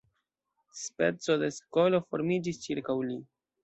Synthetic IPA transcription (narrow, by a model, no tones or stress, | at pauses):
spe̞̰t͡so̞d̪e̞sko̞lo̞fo̞ɾmid͡ʒist͡ʃiɾkawli